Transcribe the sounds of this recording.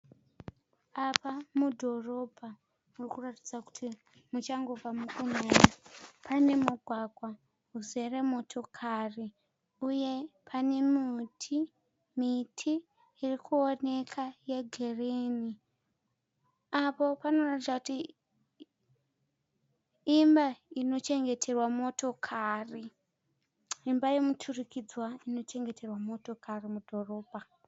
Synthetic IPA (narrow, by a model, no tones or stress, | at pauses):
apamudʱo̞ro̞bʱa | murikurati̥d͡zaku̥tʰi | mut͡ʃaŋɡo̞b͡vamukuneːnapʰane̞muɡʱwaɡʱwa | ɦuze̞remo̞tʰo̞kʰari | uje̞pʰanemutʰi | mitʰi | irikʰuone̞kʰaje̞ɡʱereni | apo̞pano̞ratid͡zakuti | imbaino̞t͡ʃe̞ŋɡe̞tʰe̞rwamo̞to̞kʰari | imbajemutʰurikid͡zwaino̞t͡ʃe̞ŋɡe̞tʰe̞rwamo̞to̞kʰarimudʱo̞ro̞ːbʱa